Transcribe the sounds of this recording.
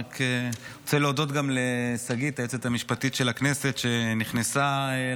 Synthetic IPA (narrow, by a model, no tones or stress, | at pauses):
kʰeot͡seleodo̞t̪ɡamlesaɡit̪aet͡set̪amiʃpat̪it̪ʃe̞lakne̞se̞t̪ʃe̞niχnesa